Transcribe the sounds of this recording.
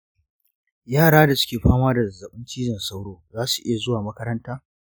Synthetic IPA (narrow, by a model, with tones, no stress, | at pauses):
jaː˦˨ɽaː˦da˨sʊ̥˦kʲeː˨ɸaː˦maː˦da˨ɐ˨zɐ˨ɓɪ˦nt͡ʃiː˦d͡ʒɪ˨nsa˦wɽoː˦zaː˦su˨ʔɪ˦ja˨zʊ˦waː˨mɐ˦kɐ˦ɾɐ˦ntaː˦